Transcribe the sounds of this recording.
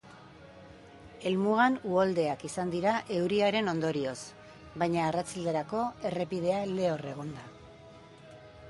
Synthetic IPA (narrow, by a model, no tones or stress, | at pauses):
e̞lmuɣanuold̪e̞akisand̪iɾaʔe̞wɾiaɾe̞no̞nd̪o̞ɾio̞s | bajɲaːrat͡sild̪eɾako̞e̞re̞pið̞e̞ale̞o̞re̞ɣ̞o̞nd̪a